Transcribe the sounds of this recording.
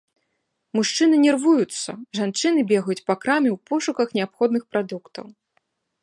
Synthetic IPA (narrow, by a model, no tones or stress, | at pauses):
muʂt͡ʂɨn̪ɨnʲɛrvujut̪sːɐ̰ʐant͡ʂɨnɨbʲɛɣɐjut͡sʲpakɾamʲɛwpɔʂukɐxnʲɛapxɔd̪nɨxpɾad̪ukt̪ɐ̰w